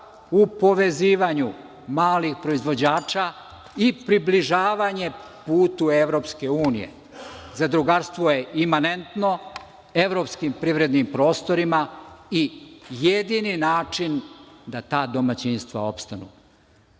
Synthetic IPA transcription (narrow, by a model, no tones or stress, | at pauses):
upo̞ʋe̞ziːʋaɲu | maːlixpɾo̞izʋo̞d͡ʑaːt͡ʃa | ipɾibliʒaːʋaɲe̞puːt̪ueʋɾo̞pske̞uːnḭjḛ | zad̪ɾuɡaɾst̪ʋojeʔimanent̪no̞ | e̞ʋɾo̞pskimpɾiʋɾe̞d̪nimpɾo̞ːst̪o̞ɾimaijed̪ininaːt͡ʂind̪at̪aːd̪o̞mat͡ɕinst̪ʋa̰o̞pst̪anṵː